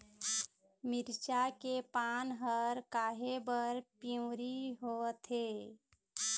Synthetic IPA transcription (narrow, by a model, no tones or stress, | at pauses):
mɪɾt͡ʃakepaːnɦəɾkaːɦebəɾpiũɾiɦoːt̪ʰeː